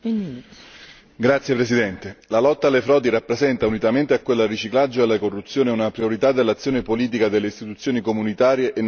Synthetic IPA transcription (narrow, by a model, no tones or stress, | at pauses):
ɡɾat̪sːjepɾesid̪ɛnt̪elalɔt̪ːaːlːefɾɔːd̪irapːɾezɛnt̪aunit̪ament̪eakːwelːrːit͡ʃiklad͡ʒːoalːakorːut̪sːjoːneunapɾioɾit̪ad̪elːat̪sːjoːnepoliːt̪̬ikad̪elːeist̪it̪ut̪sːjoːnikomunit̪aːɾjeʔen